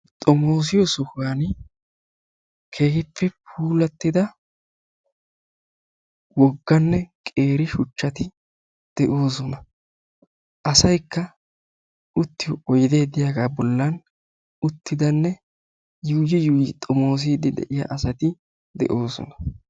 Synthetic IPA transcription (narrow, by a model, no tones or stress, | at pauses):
t̪ʼɔmo̞ːs̬ɪjɔsɔxan | kʰeːkɪpːɛpʰuːlɐt̪ːɪd̪ɐ | wɔɡːɐnːɛkʼe̞ːɾɪʃʊt͡ʃːɐt̪ɪ | d̪̥ɛʔo̞ːsɔnɐ | ʔɐsɐjkːɐ | ʊt̪ːɪjɔɔjd̪e̞ːd̪ɪjaːɡaːbɔlːɐn | ʊt̪ːɪd̪ɐnːɛ | juːd͡ʒɪjuːjɪt̪ʼɔmo̞ːs̬ɪd̪ɪd̪ɛ̰ʔɪja̰ʔɐsɐt̪ɪ | d̪ɛ̰ʔo̞ːsɔ̰nɐ̥